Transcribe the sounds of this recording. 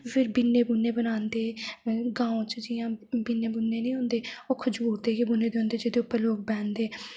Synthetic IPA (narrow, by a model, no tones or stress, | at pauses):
pʰɪɾbɪnːeːbunːeːbənaːnd̪eːɡãːõːt͡ʃd͡ʒɪjãːbɪnːeːbʊnːeːnəĩːɦõːnd̪eːoːkʰəd͡ʒuːɾd̪eːɡebʊnːeːd̪eːɦʊ̃ːnd̪eːd͡ʒeːd̪eːʊpːəɾloːk̚bɛ̃ːnd̪eː